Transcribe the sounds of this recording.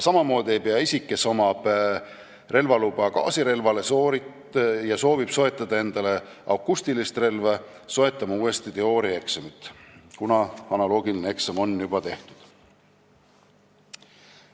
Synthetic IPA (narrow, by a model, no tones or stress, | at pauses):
sɑmɑmo̞ːd̪ie̞jpeɑisikːˑe̞so̞mɑb̥ | re̞lvɑlub̥ɑkɑ̰ːsiɾe̞lvɑle̞soːɾi | jɑso̞ːvib̥so̞e̞t̪ːˑɑd̪̥ɑe̞nd̪̥ɑle̞ʔɑwkːust̪ilist̪re̞lvɑ | so̞e̞t̪ˑːɑmɑuːe̞st̪it̪e̞o̞ːɾie̞ksɑmit̪kunɑɑnɑlo̞ːɡ̥ilineeksɑmo̞nːjubɑt̪e̞ht̪u̥d̪̥